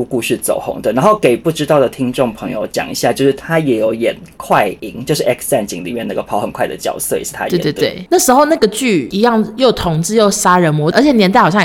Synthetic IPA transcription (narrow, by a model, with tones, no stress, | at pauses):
u˥˧ku˥˧ɕɻy˥˩t͡so̰˨˩ʊxo̰˧˥˦ŋd̪ə˨˩na˧nxo˥˩ʊke˨˩ɪpu˥˩ʈ͡ʂɻ̩˥t̪ɑ˥˩ʊd̪ə˩t̪ʰi˥ŋʈ͡ʂʊ˥˩ŋpʰɤ˧˥ŋjo̰˧ʊt͡ɕjɑ̰˨˩ŋḭ˧˥ɕja˥˧t͡ɕjo˥˧ʊʂɻ̩˥˩t̪ʰa˥jɛ˧˥jo˧˥ʊjɛ̰˨˩nkʰwa˥˩ɪi˧˥ŋt͡ɕjo˥˧ʊʂɻ̩˥˩ʔɛ˥ksɛ˥˧nt͡ɕḭ˧˥ŋlḭ˨˩mjɛ˥˧na˥˩ɡə˩pʰɑ˧˥ʊxə˨˩nkʰwa˥˩ɪd̪ə̰˨˩t͡ɕjɑ̰˨˩ʊswe˥˩ɪʂɻ̩˥˩t̪ʰa̰˦e˥˧˨t̪we˥˧˩t̪we˥˩na˥˩ʂɻ̩˧˥xo˥˧ʊna˥˩ɡə˩t͡ɕy˥˩i˧˥jɑ˥˩ŋjo˥˩ʊt̪ʰʊ˧˥ŋt͡sɹ̩˥˧jo˥˩ʊsa˥ɻə˧˦nmwɔ˧˦˥ə˧˥t͡ɕʰjɛ˨˩njɛ˧˥nt̪a˥˩ɪxɕɑ˥˨